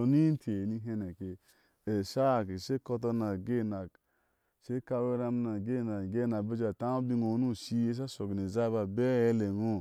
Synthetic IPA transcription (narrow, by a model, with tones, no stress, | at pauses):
o˨ni˦n˦tʰe˨ni˧ɦe˧ne˨ke˨ | e˨ʃa˦˨ke˨ʃe˦ko˧t̬o˧na˨ɡe˦˨na˨ | ʃe˦ka˧we˦ɾa˧m˦na˨ɡe˦˨na˨ɡe˦˨na˨be˦d͡ʒa˨ta˦o˦bi˦ŋo˨˦nu˦˨si˦e˦s̬a˦so˨ɡne˨za˦ba˨be˦e˦le˨ŋo˦˨